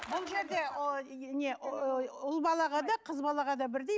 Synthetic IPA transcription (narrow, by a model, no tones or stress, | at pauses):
bʊlˠʒe̞ɾd̪e̞neʔʊlˠbɑlˠɑʁɑd̪ɑqʰəzbɑlˠɑʁɑd̪ɑbɪɾd̪e